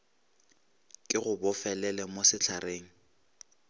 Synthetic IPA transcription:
kʼɪɣʊbɔfɛlɛlɛmosɪt͡ɬʰareːŋ̩

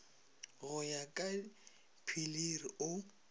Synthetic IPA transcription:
ɣʊjakʼa | pʰiliriʊ

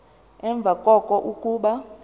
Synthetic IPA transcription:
ɛɱb̪vʱakʼɔkʼɔʔukʼuːɓa

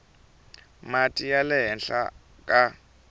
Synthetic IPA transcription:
matʼijalɛɦɛnɬa̰ | kʼa

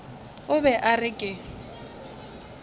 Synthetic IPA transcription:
ʊbɛʔarɪkʼɪ

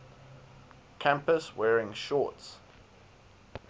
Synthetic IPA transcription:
kʰæ̃mpəswɛːɹɪ̃ŋʃɔˑts

